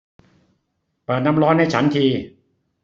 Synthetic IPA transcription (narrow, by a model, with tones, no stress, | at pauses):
pɤː˨˩t̪̚na˦˥mɾɔː˦˥nha˥˩jt͡ɕʰa˦˥nt̪ʰiː˧